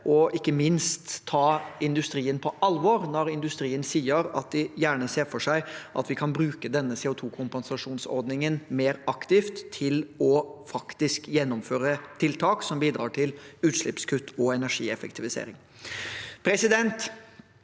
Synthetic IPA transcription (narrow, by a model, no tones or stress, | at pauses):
ʔɔʔɪkːəmɪnst̪ʰːɑːɪnd̪ʉst̪ɾiːənpʰɔʔɑlʋɔɾnɔɾɪnd̪ʉst̪ɾiːənsiːəɾɑ̰t̪̚d̪ɪjæːɳəseːɾfɔʂæɪʔɑ̰t̪ʋɪkʰɑnbɾʉːkəd̪ɛnːəsɛːʊt̪ʰuːkʰʊmpɛnsɑʂuːnsɔ̰ɾd̪nɪŋənmeːɾɑkt̪ɪft̪ʰːɪlɔfɑkt̪ɪskjɛnːʊmføːɾət̪ʰɪlt̪ʰɑːksɔmbiːd̪ɾɑːʈʰɪlʉːt̪ʂlɪpskʰʉt̪ːɔɛnæʂḭːɛfɛkt̪ʰɪʋɪsḛːɾɪŋ | pʰɾɛsɪd̪ɛnt̪